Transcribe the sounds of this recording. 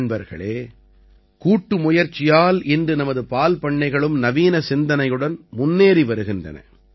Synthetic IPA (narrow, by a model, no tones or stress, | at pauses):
ɳbɐɾɣɐ̰ɭeː | kuːʈːɯmʊjɐɾt͡ʃːɪjaːlɪndrɯnɐmɐðɯpaːlpɐɳːɐɪɣɐɭɯmnɐʋiːnɐsɪnd̪ɐnɐɪjɯɽɐnmʊnːeːɾiʋɐɾɯɣɪndrɐ̰nɐ̰